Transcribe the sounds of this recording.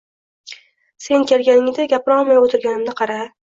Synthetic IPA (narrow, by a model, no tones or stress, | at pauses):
se̞nkʲe̞lɡʲanɪŋd̪ɪɡʲapʰɾɒmajot̪ʰɪɾɡʲanɪmnɪqʰɑɾa